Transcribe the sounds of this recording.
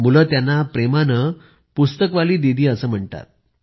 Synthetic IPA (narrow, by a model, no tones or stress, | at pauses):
muləːt̪janːapɾemanə | pust̪əkʋaliːd̪id̪ʱiːəsəːm̤əɳt̪a̰t̪̚